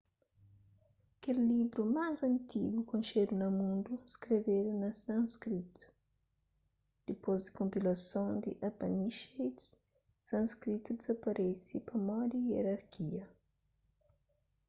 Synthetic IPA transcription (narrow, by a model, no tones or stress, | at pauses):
kelːibɾumazɐ̃nt̪iɡukõnʃed̪unɐmũnd̪uskɾeved̪unɐsãŋskɾit̪u̥ | d̪̥ipozd̪ikõmpilɐsõnd̪ḭʔapaniʃejt̪s | sãnskɾit̪ud̪izɐpɐɾʔɛsipɐmɔd̪ieɾaɾkʰiɐ